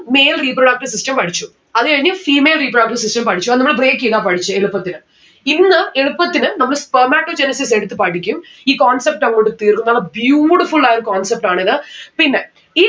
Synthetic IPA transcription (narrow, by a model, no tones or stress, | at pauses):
me̞jlriːpɾoɽɐːk̚ʈɐsisʈɐmpɐʈʰit͡ɕːu | ɐðɨkɐɻiɲːɐfiːmeːlriːpɾoɽɐk̚ʈɐrsisʈɐmpɐʈʰit͡ɕːuɐðɨnɐmːɭɨbre̞ːkːiðaːpɐʈit͡ɕːɨeɭupːɐt̪ːinɨ | inːɨeɻupːɐt̪ːinɨnɐmːɐɭspɐmaːʈːoːd͡ʑenɐsis̬eɽut̪ːɨpɐʈːikʲːumiːkoːnsep̚ʈɐŋːɭoːʈːɨt̪iːrkumːɐmːɐɭbjuːʈifuɭːaːjoɾukoːnsep̚ʈaːɳiðɨpinːe | i